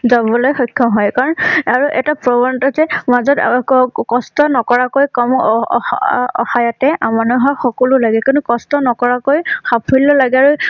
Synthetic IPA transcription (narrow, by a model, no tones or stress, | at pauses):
zabɔlojxɔjkʰːɔɦɔjkaɹɔnaɹuʔɛtapɹɔbɔntɔzɛmazɔtkɔstɔnɔkɔɹakojkɔm | ɔ̰xajɔtɛamanɔɦɔjxɔkɔlulaɡɛkɔnukɔstɔnɔkɔɹakojxapʰulɔlaɡɛaɹu